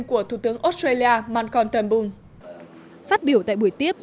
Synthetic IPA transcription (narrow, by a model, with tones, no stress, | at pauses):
nku˧˩ət̪ʰu˧˩t̪ɨ˨˦əŋʔo˦˥st̪ɾe˧li˧aː˧maː˧nkɔ˧nt̪ə˧˩nɓʊ˧ŋ | faː˦˥t̚ɓi˧˩əwt̪a̰ː˧˨jɓu˧˩əjt̪i˦˥əp̚